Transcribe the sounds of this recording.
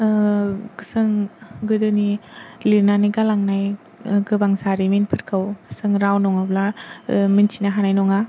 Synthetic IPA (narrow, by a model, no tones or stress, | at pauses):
kɯsɯŋɡɯdɯniliɾnaniɡalaŋnaj | ɡɯbaŋsaɾiminpʰɯɾkʰawsɯŋɾawnɔŋablaminsʰinaɦanajnɔŋa